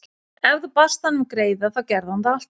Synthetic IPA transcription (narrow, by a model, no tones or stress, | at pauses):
ɛvðʏpast̪hanːʏmkɾeːjðaθawcɛɾðant̪aal̥t̪